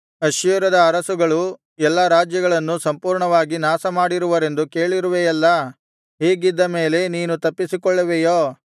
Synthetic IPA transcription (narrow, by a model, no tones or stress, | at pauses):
ɐʃjuɾɐd̪ɐːɾɐsuɡɐɭu | ɛlːɐɾaːd͡ʒjɐɡɐɭɐnːusɐmpuːɾɳɐʋaːɡinaːsɐmaːɽiɾuʋɐɾe̞nd̪uke̞ːɭiɾuʋeɐlːɐ | ɦeːɡid̪ːɐme̞ːle̞niːnut̪ɐpːisikɔɭːɐʋejoː